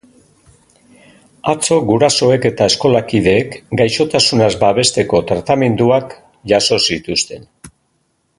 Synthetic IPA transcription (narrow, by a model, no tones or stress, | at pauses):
at͡so̞ɡuɾaso̞e̞ke̞t̪ae̞sko̞lakið̞e̞ːkɡajʃo̞t̪asunazbaβe̞st̪e̞ko̞t̪ɾat̪ame̞nd̪uak | ʝaso̞sit̪ust̪e̞n